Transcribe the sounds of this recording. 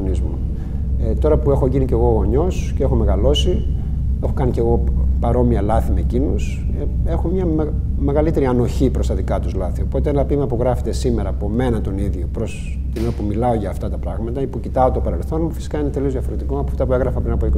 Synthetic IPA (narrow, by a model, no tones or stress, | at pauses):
nizmu | et̪o̞ɾɐpue̞xo̞ʝinice̞ɣo̞ɣo̞ɲo̞scee̞xo̞me̞ɣɐlo̞si | e̞xo̞kɐnice̞ɣo̞pɐɾo̞miɐlɐθimeːcinos | ee̞xomɲɐm | me̞ɣɐlit̪e̞ɾiɐno̞çipɾost̪ɐðikɐt̪uzlɐθiopo̞t̪eenɐpimɐpuɣɾɐfe̥t̪e̞simeɾɐːpome̞nɐt̪o̞niðʝopɾo̞s | t̪inpumilɐo̞ʝɐːft̪ɐt̪ɐpɾɐɣmɐt̪ɐipucit̪ɐot̪opɐɾe̞lθo̞nmufi̥si̥kɐinet̪e̞liozðjɐfo̞ɾet̪ikoɐpoɐ̥ft̪ɐpueɣɾɐfɐpɾinɐpoiko